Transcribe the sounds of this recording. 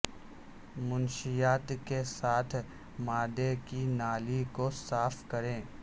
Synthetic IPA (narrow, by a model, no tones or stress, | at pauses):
mʊnʃijaːt̪kesaːt̪ʰ | maːd̪ekinaːlikosaːfkɐɾẽː